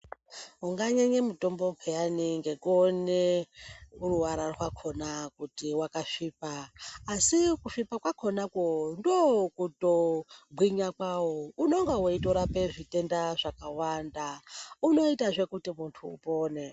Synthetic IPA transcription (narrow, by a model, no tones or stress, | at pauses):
uŋɡaɲeɲemuto̞mbo̞pʰejaniŋɡe̞kone | uruwaɾarɦwakʰo̞nakutiwakaʂiːpaːsikuʂipakwakʰonakondokutobʱwiɲakwawouno̞ŋɡawoitoɾapeʐite̞ndaʐakawandauno̞itaʐe̞kutimuntʰṵːpo̞ːne̞